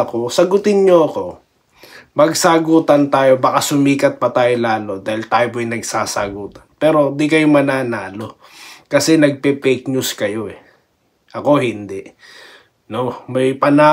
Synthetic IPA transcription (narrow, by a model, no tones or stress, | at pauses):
ɐko̞sɐɡʊt̪ɪnɲoɐko̞ | mɐɡsaɡuːt̪ɐnt̪aːjo̞bɐkasʊmiːkɐt̪̚pɐt̪aːjolaːlo̞d̪aːhɪlt̪aːjoboɐjnɐɡsaːsɐɡuːt̪ɐnpɛːɾo̞d̪ikɐjomɐnaːnaːlo̞ | kɐsɛnɐɡ̚pɛːpɛk̚ɲuskɐjo̞ʔɛ | ʔɐko̞hɪnd̪ɛʔ | nomɐjpɐnaː